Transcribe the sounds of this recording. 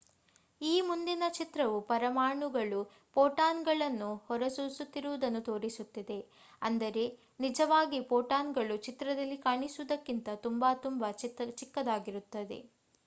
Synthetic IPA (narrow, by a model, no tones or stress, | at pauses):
iːmund̪inɐt͡ʃit̪ɾɐʋupɐɾɐmaːɳuɡɐɭu | poːʈaːnɡɐɭɐnːuhɔɾɐsuːsut̪ːiɾuʋud̪ɐnːut̪o̞ːɾisut̪ːid̪e̞ | ɐnd̪ɐɾe̞ | nid͡ʒɐʋaːɡipoːʈaːnɡɐɭut͡ʃit̪ɾɐd̪ɐlːikaːɳisuʋud̪ɐkːint̪ɐt̪umbaːt̪umbɐt͡ʃikːɐd̪aːɡiɾut̪ːɐd̪e̞̰